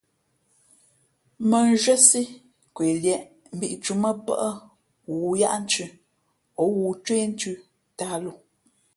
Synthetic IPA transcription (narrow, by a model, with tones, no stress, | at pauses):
mə˨n˦ʒwə˦si˦ | kwe˨ljɛ˨ʔ | m̩˨bi˦˨ʔt͡ʃu˦mə˦pə̰˦ʔə˦ | wu˨ja̰˦ʔn̩˦t͡ʃʉ˦˨ | ɔ˨˦wuː˨t͡ʃwe˦n̩˦tʉ˦ | ta˦lo˨